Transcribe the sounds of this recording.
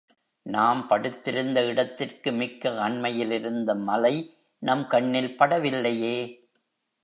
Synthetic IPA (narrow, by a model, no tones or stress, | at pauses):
naːmpɐɽɯt̪ːɪɾɯnd̪ɐɪɽɐt̪ːɪrkɯmɪkːɐɐɳmɐjɪlɪɾɯnd̪ɐmɐlɐɪ | nɐmkɐɳːɪlpɐɽɐʋɪlːɐjeː